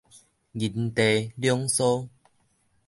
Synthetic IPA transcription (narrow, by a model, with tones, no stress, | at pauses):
ɡi˨nt̪e˨ljɔ˦ŋso˦